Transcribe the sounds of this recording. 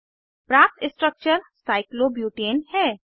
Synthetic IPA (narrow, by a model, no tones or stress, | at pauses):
pɾãːp̚t̪ɪsʈɾək̚t͡ʃəɾsaːɪkloːbjuːʈeːnhɛː